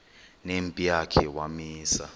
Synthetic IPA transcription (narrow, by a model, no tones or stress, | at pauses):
nempʼijakʰɛwamiːsa